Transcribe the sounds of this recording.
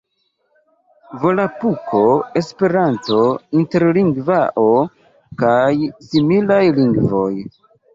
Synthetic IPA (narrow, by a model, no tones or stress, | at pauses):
vo̞lapukʰo̞e̞spe̞ɾanto̞inte̞ɾliŋɡvaʔo̞ | kajsimilajliŋɡvo̞j